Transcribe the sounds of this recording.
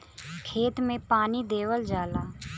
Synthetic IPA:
kʰeːt̪mẽpaːnid̪eːwəld͡ʒaːlaː

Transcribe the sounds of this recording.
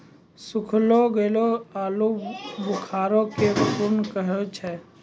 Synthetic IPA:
sʊkʰloɡeloaːlubʊkʰaːɾõkepʊɾnkəɦet͡ʃʰɛː

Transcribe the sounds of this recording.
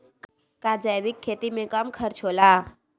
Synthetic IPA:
kad͡ʒajʋɪkʰːeːt̪imẽkɐmkʰəɾt͡ʃʰoːla

